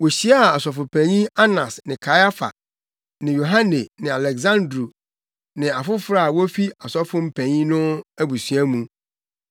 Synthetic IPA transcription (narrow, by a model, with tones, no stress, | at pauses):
wo˨ɕi˦a˦˨a˨sɔ˨fʊ˨pʰæ̃˨ɲĩ˦a˦nã˨snɪ̃˨kʰa˨ja˦fa̰˨ | nɪ̃˨jo˨ɦã˦ne˨nɪ̃˨a˨lɛ˨ɡzã˦ndɾu˨ | nɪ̃˨a˨fʊ˦fɾa˦˨wo˦fi˦a˨sɔ˦fʊ˦m̩˦pʰæ̃˨ɲĩ˦nʊ̃˦æ˦bu˨sɥæ˦mũ˨